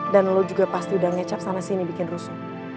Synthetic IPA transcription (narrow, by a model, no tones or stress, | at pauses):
danlod͡ʒuɡapast̪iudaŋɛt͡ʃap̚samasinibikɪnrusʊ̥k̚